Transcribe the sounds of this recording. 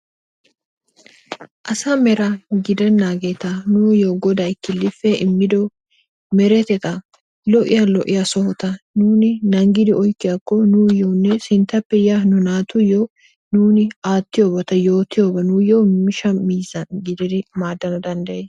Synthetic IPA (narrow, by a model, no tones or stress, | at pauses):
ʔɐsɐmɛɾɐɡɪd̪ɛnːaːɡeːt̪ɐnʊjoːɡɔd̪ɐjkːɪlːɪfːɛɪmːɪd̪ɔ | mɛɾɛt̪ɛt̪ɐ | lɔʔɪjɐlɔʔɪjɐsɔhɔt̪ɐnuːnɪnɐŋɡɪd̪ɪɔjkːɪjɐkːɔnʊjownːɛsɪnt̪ːɐpːɛjanʊnaːt̪ʊjo | nuːnɪaːt̪ːɪjobɔt̪ɐjo̞ːt̪ɪjoːbɐnʊjomɪʃɐmiːzɐnɡɪd̪ɛd̪ɪmaːd̪ːɐnɐd̪ɐnd̪ɐjɛ